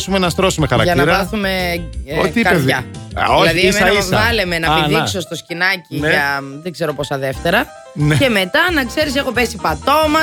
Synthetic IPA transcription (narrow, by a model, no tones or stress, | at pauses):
sumenɐst̪ɾo̞sumexɐɾɐkʝɐnɐiɾɐθumeot̪iikɐeɐolɐðiimɐiɐsvɐlemenɐpinðiso̞st̪o̞scinɐciʝɐðeɡze̞ɾo̞posɐðe̞ft̪e̞ɾɐ | ne̞me̞t̪ɐnɐkse̞ɾis̬exo̞pe̞sipɐt̪o̞mɐ